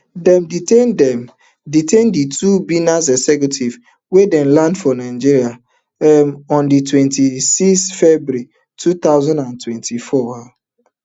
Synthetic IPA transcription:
dɛmditendɛm | ditẽnditubinas̬esɛkutʰiv | wedɛnlãndfɔnaɪd͡ʒiɾia | mɔ̃nditwɛ̃ntisiksfɛbuɾi | tʰut̪aʊzãndãntwɛ̃ntʰifɔa

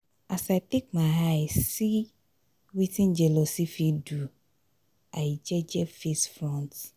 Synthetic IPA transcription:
asaɪt̪ek̚maɦajsi | witʰĩnd͡ʒelosifiɖu | ajid͡ʒɛd͡ʒɛfesfɾɔ̃nt

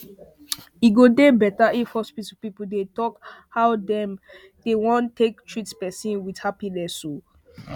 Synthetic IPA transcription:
iɡodebɛtaĩfɔspitɔpipudetɔkhawdɛ̃m | d̥ewɔ̃ntʰːektʰɹitspɛsĩnwidhapilɛso

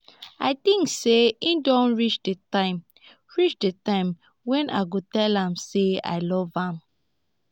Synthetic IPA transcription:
aɪtĩŋkseĩndɔ̃nɹit͡ʃdetãɪ̃m | ɹit͡ʃdetãɪ̃m | wɛ̃nʔa̰ɪɡotɛlãmsea̰ɪlɔvãm

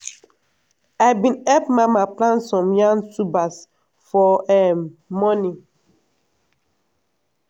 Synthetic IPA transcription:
aɪbĩnɛpmamaplãnsɔ̃mjãnsubas | fɔɛmːɔni

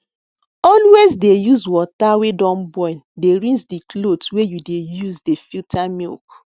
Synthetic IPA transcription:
ɔlwezdejuzwɔtawedɔ̃nbɔ̃ĩndeɹĩnsdiklodswejudejuzdefitʰamḭlk

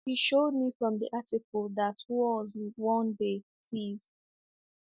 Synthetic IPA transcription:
hiʃod̚mifɹɔ̃mdḭʔatɪkəlðatʰwɔzwɔ̃nde | siz

